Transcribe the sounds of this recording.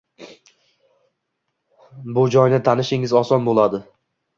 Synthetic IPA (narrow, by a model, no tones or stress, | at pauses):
bʊd͡ʒɒjnɪt̪ʰanɪʃɪŋɪzɒsɒnbolˠad̪ɪ